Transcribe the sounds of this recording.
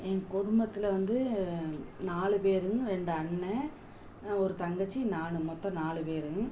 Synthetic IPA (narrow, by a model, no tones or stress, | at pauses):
ɛkʊɽʊmbɐt̪ːɪlɐʋɐnd̪ɯ | naːɭɯpeːɾɯɾɛɳɖɯɐɳːɛ | ɔɾɯt̪ɐŋɡɐt͡ʃːinaːɳɯmɔt̪ːɐ̃naːɭɯpeːɾɯ